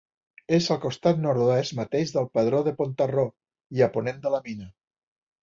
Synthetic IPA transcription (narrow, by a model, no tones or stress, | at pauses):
ezəlˠkost̪at̪noɾðoɛzmat̪eʒðəlˠpəðɾoðəpont̪aro | iəponend̪əlaminə